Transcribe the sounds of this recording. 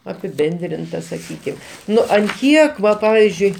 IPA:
ɐpʲɪˈbʲɛnʲdʲrʲɪntɐ sɐˈkʲiːkʲɪm ˈnʊ ɐn ˈkʲiɛk ˈʋɐ ˈpɑːʋʲɪzʲd͡ʒʲʊɪ

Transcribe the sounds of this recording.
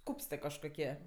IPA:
ˈkuːpstɜ kɐʃkoːˈkʲiɛ

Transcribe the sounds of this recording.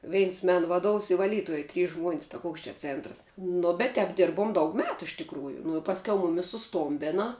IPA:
ˈʋʲɛɪns ˈmʲɛn ʋɐˈduɔws ɪ ʋɐˈlʲiːtuɔj tʲrʲiːs ʒmuɔnʲsʲ tɐˈkuɔks t͡ʃʲɛ ˈt͡sʲeːntrɐs nʊ bʲɛt tʲɛːp ˈdʲɪrbuɔm dɐʊk ˈmʲæːtʊ ɪʃ tʲɪkˈruːjʊ nʊ ɪ pɐsʲˈkʲɛʊ ˈmʊmʲɪs sʊˈstoːmʲbʲɪnɐ

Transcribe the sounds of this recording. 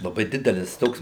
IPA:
lˠɐˈbɐɪ ˈdʲɪdʲɛlʲɪs ˈtoːks

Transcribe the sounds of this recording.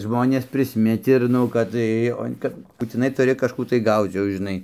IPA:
ˈʒmoːnʲeːs pʲrʲɪsʲˈmʲɪt ɪr ˈnʊ kɐt ˈtɐɪ oː ˈkɐp buːtʲɪˈnɐɪ tʊˈrʲɪ kɐʃˈkuː tɐɪ ˈɡɐʊt͡s jɛʊ ʒʲɪˈnɐɪ

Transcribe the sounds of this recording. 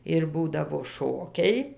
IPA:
ɪr ˈbuːdɐʋoː ˈʃoːkʲɛɪ

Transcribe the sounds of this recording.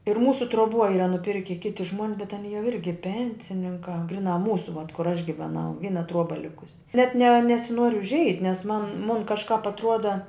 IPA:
ɪr ˈmuːsʊ truɔˈbuɔ ˈiːrɐ nʊˈpʲɪrʲkʲɪ ˈkʲɪtʲɪ ʒmuɔnʲs bʲɛt ɐˈnʲiː jɛʊ ˈɪrʲɡʲɪ ˈpʲɛnʲsʲɪnʲɪŋkɑː ˈɡrʲɪˌnɑː ˈmuːsʊ ʋɐt kʊr ɐʃ ɡʲɪʋʲɛˈnɐʊ ˈʋʲiːnɐ ˈtruɔbɐ ˈlʲɪkʊsʲɪ nʲɛt nʲɛ nʲɛsʲɪˈnuɔr ʊʒʲˈɛɪtʲ nʲɛs mɐn mʊn kɐʃˈkɑːp ɐtˈruɔdɐ

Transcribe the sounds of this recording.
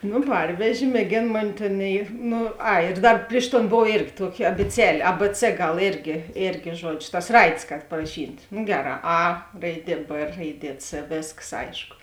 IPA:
noː ˈpɐrʲʋʲɛʒʲeː mʲeːˈɡʲeːn ˈmoːnʲɪ ˈtʲeːn ɪ ˈnʊ ˈɐɪ ɪr ˈdɐr ˈpʲrʲɪʃ ˌtoːn ˈboːw ˈeːrʲɡʲɪ ˈtuɔkʲɪ ɐbʲɪˈt͡sʲæːlʲeː ɐ p t͡s ˈɡɐlˠ ˈeːrʲɡʲɪ ˈeːrʲɡʲɪ ˈʒuɔd͡ʒʲoː tɐs ˈrɐɪdʲeːs kɐt pɐrɐˈʃʲiːtʲ noː ˈɡʲæːˌrɑː ɐ ˈrɐɪˈdʲiɛ p ˈrɐɪˈdʲiɛ t͡s ˈʋʲeːskɐs ˈɐɪʃkʊ

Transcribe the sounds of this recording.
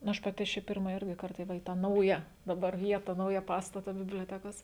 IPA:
nʊ ˈɐʃ pɐˈtʲɪ ɐʃ ˈt͡ʃʲɛ ˈpʲɪrmɐ ˈɪrʲɡʲɪ ˈkɐrtɐ ˈʋɐ iː tɑː ˈnɐʊjɛ dɐˈbɐr ˈʋʲiɛtɐ ˈnɐʊjɛ ˈpɑːstɐtɐ bʲɪbʲlʲoːˈtʲæːkoːs

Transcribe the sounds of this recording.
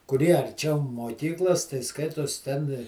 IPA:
kʊˈrʲiɛ ɐrʲˈt͡ʃʲɛʊ moːˈkʲiːklˠoːs tɐɪ ˈskɐɪtoːs tʲɛn

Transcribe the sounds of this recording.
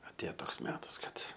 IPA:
ɐtʲˈeːjoː ˈtoːks ˈmʲæːtɐs ˈkɐt

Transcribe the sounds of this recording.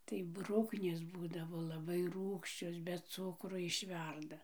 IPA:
tɐɪ ˈbrʊknʲeːs ˈbuːdɐʋoː lˠɐˈbɐɪ ˈruːkʃʲt͡ʃʲoːs bʲɛ ˈt͡sʊkroː ɪʃʲˈʋʲɛrdɐ

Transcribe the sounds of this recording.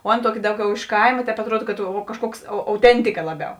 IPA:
oː ˈɑːˌnɐ ˈtuɔˌkʲɪ ˈdɐʊˌɡʲɛʊ ɪʃ ˈkɐɪmɐ ˈtʲɛːp ɐtˈruɔt kɐt oː kɐʃˈkuɔks ɐʊ ɐʊˈtʲɛnʲtʲɪkɐ ˈlˠɑːˌbʲɛʊ

